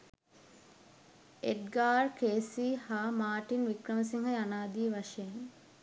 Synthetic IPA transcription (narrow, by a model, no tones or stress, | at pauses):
eʈɡaːrkeːsihaːmaːʈinʋikɾəməs̬iŋɦəjanaːd̪iːʋaʂejeŋ